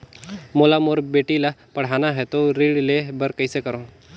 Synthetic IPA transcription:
molamoɾbeʈilapəɽ̤anaɦet̪oɾiɽlebəɾkəjsekəɾõ

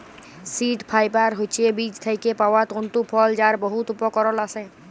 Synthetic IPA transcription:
siʈpʰajpaɾɦot͡ʃebid͡ʒt̪ʰəjkepawat̪ont̪upʰɔld͡ʒaɾbɔɦut̪upɔkɔɾɔlasɛ̃

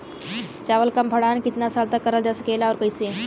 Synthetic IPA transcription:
t͡ʃaːʋəlkɐmpʰɐɽaːnkɪt̪nasaːlt̪akːɐɾəld͡ʒaːsəkeːlaɔːɾkəiseː

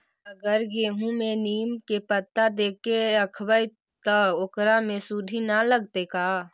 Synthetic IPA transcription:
əɡəɾɡeːɦũmẽniːmkepət̪ːad̪eːkeəkʰbəi | t̪ɔokɾamẽsud̪ʱinaləɡ̚t̪ekaː

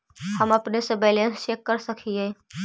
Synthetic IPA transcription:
həməpnesə̃bɛlenst͡ʃekːəɾsəkʰie

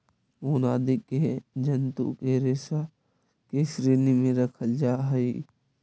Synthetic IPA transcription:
oːnaːd̪ɪked͡ʒənt̪ṵkeɾeːsa | kesɾeːnimẽɾəkʰəld͡ʒaːɦəi

